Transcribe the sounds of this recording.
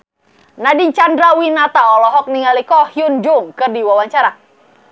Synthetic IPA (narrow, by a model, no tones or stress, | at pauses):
nadiɲt͡ʃandɾawinat̪aɔlɔɦɔk̚niŋalikɔhjund͡ʒuŋkɨrdiwawaɲt͡ʃaɾa